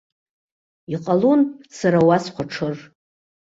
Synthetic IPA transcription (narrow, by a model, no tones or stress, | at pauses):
iqʼalunsaɾawasqʷaʈ͡ʂʰɨr